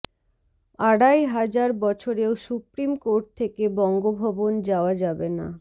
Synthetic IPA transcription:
aɽajɦad͡ʑaɾbɔt͡ɕʰoɾeosupɾimkoɾʈ̚t̪ʰekebɔŋɡobʱɔbond͡ʑaoad͡ʑabena̰

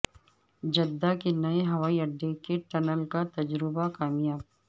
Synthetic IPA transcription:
d͡ʒɐd̪ːakenɐeɦɐʋaːiɐɖːekeʈɐnəlkat̪ɐd͡ʒɾɪbakaːmijaːb̚

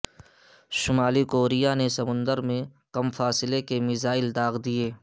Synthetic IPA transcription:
ʃʊmaːlikoːɾijanesɐmʊ̃nd̪əɾmẽ | kɐmfaːsɪlekemɪzaːɪld̪aːɣd̪ijeː

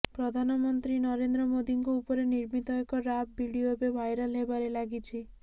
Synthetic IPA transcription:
pɾɔd̪ʱanɔmɔnt̪ɾinɔɾend̪ɾɔmod̪iŋkɔupɔɾeniɾmit̪ɔekɔɾab̚bʱiɽiobebʱajɾalɦebaɾelaɡit͡ʃʰi

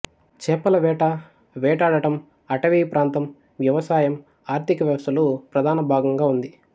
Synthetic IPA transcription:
t͡ʃɛːpɐlɐʋɛːʈɐ | ʋɛːʈaːɽɐʈɐm | ɐʈɐʋiːpɾaːnt̪ɐm | ʋjɐʋɐsaːjɐm | aːɾt̪ʰikɐʋjɐʋɐsɐlupɾɐd̪ʱaːnɐbʱaːɡɐŋɡaːund̪i

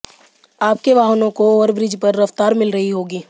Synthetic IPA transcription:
aːp̚keʋaːɦnõkoɔːɾbɾɪd͡ʒpɐɾːɐft̪aːɾmɪlɾɐɦiɦoːɡiː

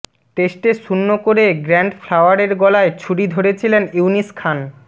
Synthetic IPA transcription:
ʈesʈeʃunːokoɾeɡɾɛɳɖfʰlawaɾeɾɡɔlaet͡ɕʰuɽid̪ʱoɾet͡ɕʰileniuniskʰan

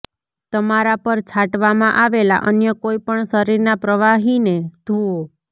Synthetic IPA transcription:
t̪əmaɾapəɾt͡ʃʰaʈʋamãʔaʋela̰ʔənjəkoipəɳʃəɾiɾnapɾəʋaɦined̪ʱuo

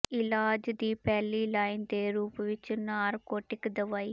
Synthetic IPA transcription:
ɪlaːd͡ʒd̪iːpɛːliːlaːɪnd̪eːɾuːpʋɪt͡ʃnaːɾkoːʈɪkd̪əʋaːiː

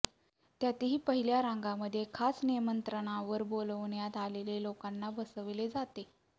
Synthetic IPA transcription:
t̪jat̪iɦiːpəɦiljaɾãŋɡaməd̪ʱːjekʰasniəmənt̪ɾəɽ̃aʋəɾboləʋɳjat̪alelelokanːabəsəʋled͡zat̪e

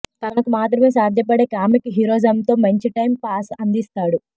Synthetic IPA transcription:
t̪ɐnɐkumaːt̪̬ɾɐme̞ːsaːd̪ʱjɐpɐɽe̞ːkaːmikɦiɾoːd͡ʒɐmt̪o̞ːmɐɲt͡ʃiʈɐjmpaːsɐnd̪ist̪aːɽu

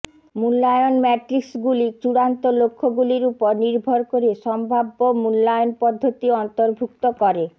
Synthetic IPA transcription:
mulːajonmɛʈɾiksɡulit͡ɕuɽant̪olokʰːoɡuliɾupoɾniɾbʱoɾkoɾeʃɔmbʱabːomulːajonpɔd̪ʱːot̪iɔnt̪oɾbʱuk̚t̪okɔɾe

